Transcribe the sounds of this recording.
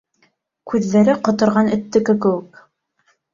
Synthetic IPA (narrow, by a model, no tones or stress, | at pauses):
kʉðːæɾɘqŏt̪ŏɾʁɑnɵ̆t̪ːɘ̆kɘ̆k̬ɘ̆wɘk